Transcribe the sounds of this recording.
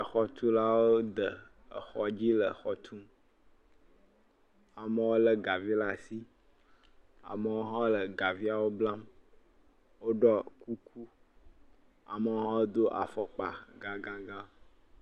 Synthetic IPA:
ə˨xɔ˨t̪u˦la˦wo˦d̪ə˨ | ə̰˨xɔ˦d͡ʑi˦lə˨xɔ˨t̪ʰu˦m | a˨mə˦wo˦lə˦ɡa˨vi˦la˦si˦ | a̰˨mə˨wo˦ɦɔ̃˦lə˨ɡa˨vi˦a˨wo˦bla˦m | wo˦ɖɔ˦ku˦ku˦ | a̰˨mə˨wo˦ɦɔ̃˦wo˦d̪o˦ʔa̰˨fɔ˦k͡pa̰˨ɡã˦ɡã˦ɡã˦

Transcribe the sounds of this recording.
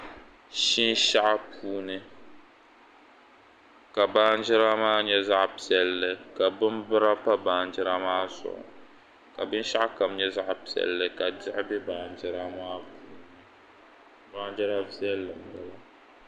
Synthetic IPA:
ʃi˦n˦ʃa˦ʔa˦pʰuː˦nɨ˦ | ka˨baː˦n˦d͡ʒɪ˦ɾa˦maː˦ɲɛ˦za˦ʔpi˨ɛ˨lːɨ˨ka˨bɨ˦mbɨ˦ɾa˦pa˦baː˨nd͡ʒɪ˦ɾa˦maː˦sʊ̰˨ʔʊ̰˨ | ka˨bɨ˦n˦ʃa˦ʔka˨m˦ɲɛ˦za˦ʔpi˨ɛ̰˨lːɨ˨ka˨dɪ˦ʔɪ˦bɛ˦baː˨n˨d͡ʒɪ˦ɾa˦maː˦puː˦nɨ˨ | baː˦nd͡ʒɛ˦ɾa˦vi˦ɛ˦lːɨ˨m˨bɛ˦la˨

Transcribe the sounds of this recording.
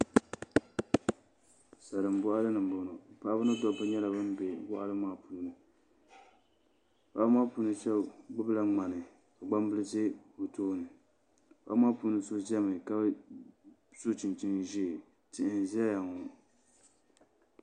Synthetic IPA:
sa˨ɾɨ˨m˨bʊ˦ʔa˦lɨ˦nɨ˨m˨bʊ˨no˨pa˦˨a˦bɨ˦nɨ˦dɔ˦bɨ˦ɲɛ˦la˨bɨ˦m˦be˨wa˦ʔa˦lɨ˦maː˦puː˨nɨ˨ | wa˦ʔa˦lɨ˦maː˦puː˦nɨ˦t͡ʃɛ˦ɡ͡bʊ˦bla˦ŋ͡ma˨nɨ˨ | ka˨ɡ͡ba˦m˦bɨ˦lɨ˦zɪ˦o˨toː˦nɨ˨ | wa˦ʔa˦lɨ˦maː˦pu˦nɨ˦so˦zɛ˦mɨ˨ka˦b | sʊ˦t͡ʃɪ˨nt͡ʃi˦nʒi˦˨ | tɪ˨ʔɪ˨n˨zɛ˦ja˨ŋo˨

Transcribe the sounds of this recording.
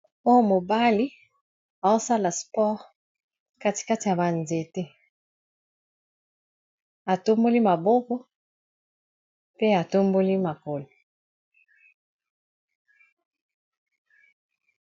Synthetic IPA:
o˦jo˦mo˨ba˦li˦ | a˨o˦sa˦la˨spɔ˦ʁ | ka˦ti̥˨ka˦ti˨ja˨ba˨nze˨te˦ | a˨to˦mbo˦li˦ma˨bo˦kɔ˦ | pe˦a˨to˦mbo˦li˦ma˨ko˨lo˨

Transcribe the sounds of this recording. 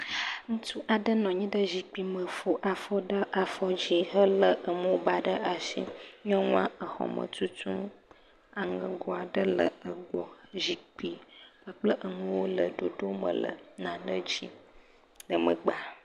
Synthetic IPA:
ŋũ˦t̪u˦ʔa˨ɖə˦nɔ̃˨ɲĩ˦ɖə˦zi˨k͡pi˨mə̃˨fo˦ʔa˨fɔ˦ɖə˦ʔa˨fɔ˦d͡ʑi˦ɦə˦lə˦ʔə˨mũ˦wo˦ba˨ɖə˦ʔa˨ʃḭ˦ɲɔ̃˦ŋũ˦ã˦ʔə˨xɔ̰˨mə̰̃˨t̪u˦t̪u˦m | a˨ŋə̃˨ɡɔ˦a˨ɖə˦lə̰˨ə˨ɡ͡bɔ˨zi˨k͡pi˦bə˨k͡plə˦ʔə˨nũ˦wo˦lə˨ɖo˨ɖo˦mə̰̃˨lə̰˨nã˨nə˦d͡ʑi˦ | lə˨mə̰̃˨ɡ͡ba˨

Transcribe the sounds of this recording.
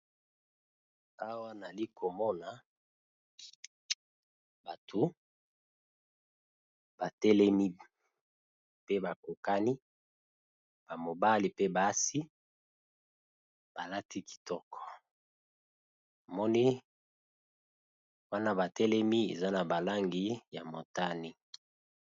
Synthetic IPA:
a˦wa˦na˨li˦kʰo˨mɔ˦na˨ | ba˨tʰo˨ | b̥a˨tɛ˦lɛ˦mi˦ | pe˦ba˨ko˨ka˦ni˦ | b̥a˨mo˨ba˦li˨pe˦ba˨˦si˦ | b̥a˨la˦tʰi˦ki̥˨tɔ˦kʰɔ̥˨ | a˨mɔ˦ni˦ | wa˦na˦ba˨tɛ˦lɛ˦mi˦ḛ˨za˦na˨ba˨la˦ŋɡi˨ja˨mo˨ta˦ni˦

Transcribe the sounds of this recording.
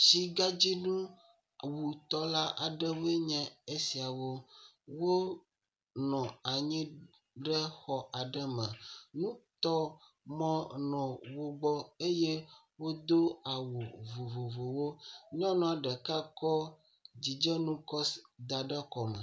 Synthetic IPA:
t͡ɕi˦ɡa˦d͡ʑi˦nũ˦ | wu˨t̪ɔ˦la˦ʔa˨ɖɛ˦wo˦e˦ɲɛ̃˦e˦si˨a˨wo˦ | wo˦ | nɔ̃˨a˨ɲĩ˦ | ɖɛ˦xɔ˨a˨ɖɛ˦mɛ̰̃˨nũ˦t̪ɔ˦ | mɔ̃˦nɔ̃˨wo˦ɡ͡bɔ˦e˦je˦ | wo˦d̪o˦a˨wu˨vo˨vo˨vo˨wo˦ɲ˦ɔ̃˦nɔ̃˨a˨ɖɛ˨ka˦kɔ˦ | d͡ʑi˨d͡ʒɛ˦nũ˦kɔ˦sd̪a˨ɖɛ˦kɔ˨mɛ̰˨

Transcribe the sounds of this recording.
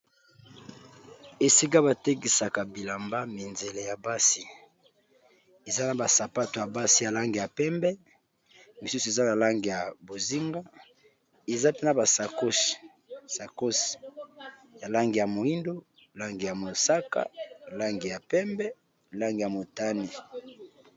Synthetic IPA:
e˨si˦ka˦ba˨te˦ki˨sa˨ka˨bi˨la˨mba˦mi˨nze˨le˨ja˨ba˦si˦ | e˨za˦na˨ba˨sa˨pa˦to˨ja˨ba˦si˦ja˨la˦ŋɡi˨ja˨pɛ˦mbɛ˦ | mi˨su˦su˨e˨za˦na˨la˦ŋɡi˨ja˨bo˨zi˦ŋɡa˦ | e˨za˦pe˦na˨ba˨sa˨ko˦si̥˨ | sa˨ko˦si̥˨ | ja˨la˦ŋɡi˨ja˨mo˨i˦ndo˦ | la˦ŋɡi˨ja˨mo˨sa˦ka̰˨la˦ŋɡi˨ja˨pɛ˦mbɛ˦ | la˦ŋɡi˨ja˨mo˨ta˦ne˨

